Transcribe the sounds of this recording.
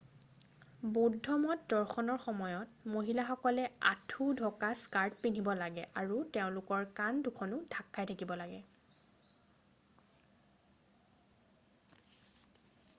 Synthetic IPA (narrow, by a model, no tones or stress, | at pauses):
bodʱɔmɔtdɔɹxɔnɔɹxɔmɔjɔtmoɦilaxɔkɔlɛa̰tʰudʱɔkaskaɹtpin̤ibɔlaɡɛʔaɹuteʊ̃lʊkɔɹkandukʰɔnʊdʱakːajtʰakibɔlaɡɛ